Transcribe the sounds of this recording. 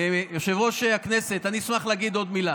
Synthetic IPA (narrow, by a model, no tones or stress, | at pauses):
joʃevoʃeakneset̪anismaχleaɡid̪o̞d̪mila